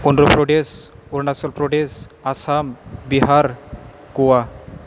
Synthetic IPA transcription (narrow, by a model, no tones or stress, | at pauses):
unɾɔpɾɔɖesuɾnasɔlpɾɔɖesasambiɦaɾ | kuwa